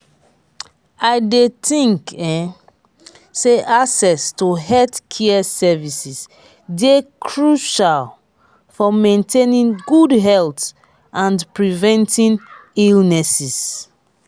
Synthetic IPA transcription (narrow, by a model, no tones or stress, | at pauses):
aɪdetĩŋkɛ̃ | seʔasɛstoɦɛtkʰɛɛsɛvisis | dekʰɹuʃal | fɔmẽntʰenĩnɡudɦɛlt | ãnpɹivɛ̃ntĩnilnɛsis